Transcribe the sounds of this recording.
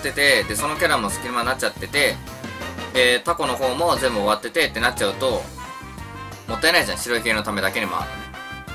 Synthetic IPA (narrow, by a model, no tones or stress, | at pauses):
t̪ːe̞t̪e̞d̪e̞so̞no̞kʲaɾamosɨ̥kʲiɾimanːat͡ɕːat̪ːe̞t̪e̞ | t̪ako̞no̞ho̞ːmo̞zẽ̞mbɯoβat̪ːe̞t̪e̞t̪ːe̞nat͡ɕ̚t͡ɕaɯ̟t̪o̞ | mo̞t̪ːae̞naiʑãɕiɾo̞iɦẽno̞t̪ame̞d̪ake̞ɲemo̞̰a̰ɾɯ